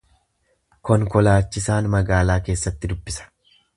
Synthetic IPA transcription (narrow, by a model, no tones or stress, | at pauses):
kɔŋkɔlaːt͡ʃːɪsaːnmɐɡaːlaːke̞ːsːɐt̪ːɪd̪ʊbːɪsɐ̥